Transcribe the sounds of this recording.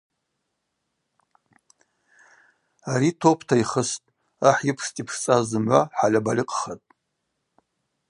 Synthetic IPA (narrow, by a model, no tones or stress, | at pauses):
aɾitʰopʰtʰaiχəstʼ | aħjɪpʰstʼipʰʂt͡sʼazzɨmʕʷaħalʲabalʲiqʼχatʼ